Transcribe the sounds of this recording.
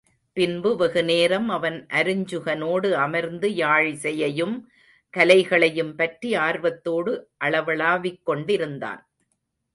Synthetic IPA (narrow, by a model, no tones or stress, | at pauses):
pɪnbɯʋɐɣɯneːɾɐmɐʋɐnʔɐɾɯɲd͡ʒɯɣɐnoːɽɯɐmɐɾnd̪ɯjaːɻsɛjɐjɯm | kɐlɐɪɣɐɭɐjɯmpɐʈriaːɾʋɐt̪ːoːɽɯʔɐɭɐʋɐɭaːʋɪkːɔɳɖɪɾɯnd̪a̰ːn